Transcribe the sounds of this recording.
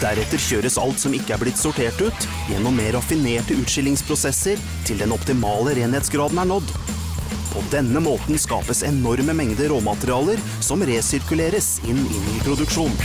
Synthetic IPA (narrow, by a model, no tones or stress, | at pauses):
d̪æɾɛt̪ːəɾçøːɾəsɑ̰lt̪sɔmɪkːəæblɪt̪ːsʊʈʰeːʈʉːt̪ | jɛ̰nːɔmːeːɾɑfɪneːʈəʉːt̪ʂɪlːɪŋspʰɾʊsɛsəɾ | t̪ʰɪld̪ɛnɔpt̪ɪmɑːləɾeːnheːt̪sɡɾɑːd̪n̩æɳɔd̪ | pʰɔd̪ɛnːəmoːt̪nskɑ̰ːpəsɛnɔɾməmɛŋd̪əɾoːmɑt̪əɾɪɑːləɾ | sɔmɾeːsɪɾkʉleːɾəs | ɪnːɪ̰niyːpʰɾʊd̪ʉkʂuːn